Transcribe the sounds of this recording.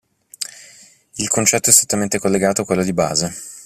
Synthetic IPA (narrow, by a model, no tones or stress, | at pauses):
ilkʰont͡ʃɛt̪ːoɛst̪ɾet̪ːament̪ekolːeɡaːt̪oakːwelːod̪iba̰ːze